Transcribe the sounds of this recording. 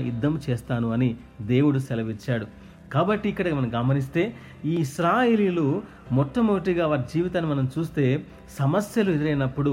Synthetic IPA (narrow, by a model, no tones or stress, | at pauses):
ḭd̪ːɐmt͡ʃeːst̪aːnuɐni | d̪e̞ːwuɽusɛlɐʋit͡ʃːaːɽu | kaːbɐʈːiːkːɐɽɐmɐnɐmɡɐmɐnis̬t̪e̞ː | iːisɾaːje̞ːliːlo | mɔʈːɐmuɡɐʈ̬iɡaːʋaːɾid͡ʒiːʋit̪aːnːimɐnɐmt͡ʃuːst̪e̞ː | sɐmɐsjɐluɛd̪iɾɐjnɐpːuɽu